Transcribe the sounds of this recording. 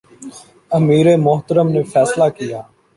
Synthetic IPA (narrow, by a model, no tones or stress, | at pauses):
əmiːɾeːmʊɦt̪əɾəmneːfʰɛːslaːkɪjaː